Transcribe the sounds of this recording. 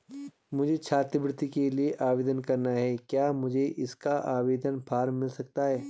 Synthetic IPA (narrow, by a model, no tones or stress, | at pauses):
mʊd͡ʒʱet͡ʃʰaːt̪ɾəbɾɪt̪ikelieʔaːʋeːd̪ənkɐɾnaɦɛkjaːmʊd͡ʒʱeʔɪskaʔaːʋeːd̪ənpʰaːɾmmɪlsɐkt̪aɦɛː